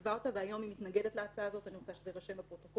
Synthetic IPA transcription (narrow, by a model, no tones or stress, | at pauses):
vaʁt̪aveajo̞mimit̪naɡede̞t̪laat͡saaːzo̞t̪aniʁot͡saʃezeʁaʃemapʁot̪ok